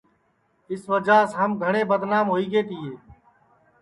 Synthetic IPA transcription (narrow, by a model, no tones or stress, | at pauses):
ɪsʋəd͡ʒaːsɦəmɡʱəɳ̃eːbəd̪naːmɦoːiːɡeːt̪ʰɪːeː